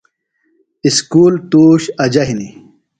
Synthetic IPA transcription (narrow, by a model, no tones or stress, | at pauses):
iskuːlt̪uːɕɐd͡ʑɐɦini